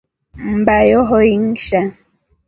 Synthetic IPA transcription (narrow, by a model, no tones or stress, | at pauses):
m̩bajɔɦoiŋ̩ʃa